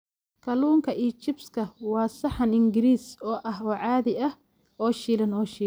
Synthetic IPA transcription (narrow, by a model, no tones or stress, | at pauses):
kʰɐluːŋkʰɐʔiːt͡ʃɪbskʰɐwɑːsɐħɐnɪŋɡɪɾiːsɔːʔɐɦɔːʕɑːðɪɐh | ɔːʃiːlɐnɔːʃiː